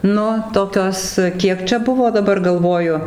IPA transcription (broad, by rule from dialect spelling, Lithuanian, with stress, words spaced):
ˈnʊ ˈtoːkʲoːs ˈkʲiɛk t͡ʃʲɛ ˈbʊʋoː dɐˈbɐr ɡɐlˠˈʋoːjʊ